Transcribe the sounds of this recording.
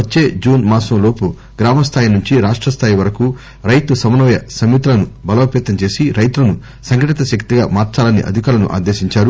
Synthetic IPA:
ʋɐt͡ʃːe̞ːd͡ʒuːnmaːsɐmlo̞ːpu | ɡɾaːmɐst̪ʰaːjinuɲt͡ʃiɾaːʂʈɾɐst̪ʰaːjiʋɐɾɐku | ɾɐjt̪usɐmɐnɔːjɐsɐmit̪lɐnubɐlɐːpɛːt̪ɐɲt͡ʃeːsiɾɐjt̪ulɐnu | sɐŋkɐʈit̪ɐʃɐkt̪iɡa̰ːmaːɾt͡ʃaːlɐnḭʔɐ̰d̪ʱikaːlɐnṵʔa̰ːd̪eːʃiɲt͡ʃaːɾu

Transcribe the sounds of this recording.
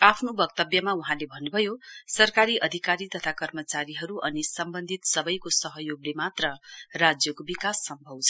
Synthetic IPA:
apʰnobʌk̚t̪ʌbjʌmauɦãlebʱʌnːubʱʌjosʌrkaɾiʔʌd̪ʱikaɾit̪ʌt̪ʰakʌrmʌt͡saɾiɦʌɾuʔʌnisʌmbʌnd̪ʱit̪sʌbʌjkosʌɦʌjoɡlemat̪rʌrad͡zjʌkobikasːʌmbʱʌwt͡sʰʌ

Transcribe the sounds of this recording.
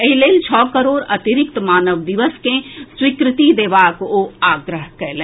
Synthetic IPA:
eɦileːlt͡ʃʰɔːkɐɾoːɾɐt̪iɾɪk̚t̪maːnəʋd̪iʋəskẽswikɾɪt̪id̪eːʋaːkoːaːɡɾəɦkɐɾlẽː

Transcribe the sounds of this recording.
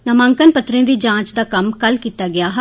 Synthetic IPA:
nɐmãːŋkənpət̪ɾẽːd̪iːd͡ʒãːt͡ʃd̪aːkɐmkɐlkiːt̪aːɡɪjaːɦ

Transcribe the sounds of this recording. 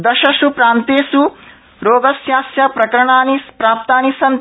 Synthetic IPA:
d̪ɐʃɐʃupɾaːnt̪eːsu | ɾoːɡɐsjaːsjɐpɾɐkɐɾɐɳaːnipɾaːp̚t̪aːnisɐn

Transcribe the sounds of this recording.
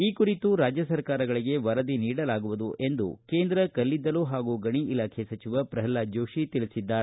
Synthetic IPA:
iːkuɾit̪uɾaːd͡ʒjɐsɐɾkaːɾɐɡɐɭiɡe̞ʋɐɾɐd̪iniːɽɐlaːɡuʋud̪uʔe̞nd̪ṵkeːnd̪ɾɐkɐlːid̪ːɐluːɦaːɡuɡɐɳiilaːkʰesɐt͡ʃiʋɐpɾɐɦɐlːaːd͡ʒoːʃit̪iɭisid̪ːaːɾ

